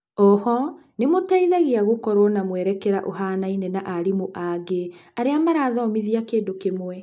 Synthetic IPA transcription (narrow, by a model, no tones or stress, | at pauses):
ɔhɔ | nemotaiðaɣeaɣokɔɾwɔnamwɛɾɛkɛɾaʔoɦaːnainenaʔaɾimoʔaɡeaɾeamaɾaːðɔːmiðiakeːndokemwɛ